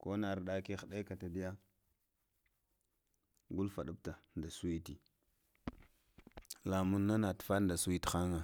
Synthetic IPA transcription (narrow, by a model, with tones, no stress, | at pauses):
ko˦na˨ɾɗa˦ki˦xda˦ka˨ta˨di˦ja˦ | ɡu˦lfa˨ɗu˦b̚ta˨nda˨su˦wi˦ti˨ | la˨mu˦nːa˦na˨tfa˦nda˨su˦i˦txa˦ŋa˨